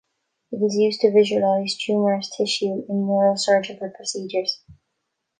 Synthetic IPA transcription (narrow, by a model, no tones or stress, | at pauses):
ɪɾɪzjʉːztʰɨvɪʒəəlaɪzd͡ʒʉ̃ːmə˞əstʰɪʃʉɪ̃nːɔɹosɜ˞d͡ʒəbəpʰɹ̥əsiːd͡ʒə˞z̥